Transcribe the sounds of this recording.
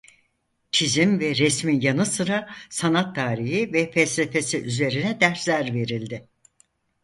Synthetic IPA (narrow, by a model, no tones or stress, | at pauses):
t͡ʃʰizimvɛɾɛsmijanɯsɯɾasanat̪ʰːaːɾiɦivɛfɛlʲsefesiʔyze̞ɾinɛd̪æɾslʲæɾve̞ɾilʲd̪ɪ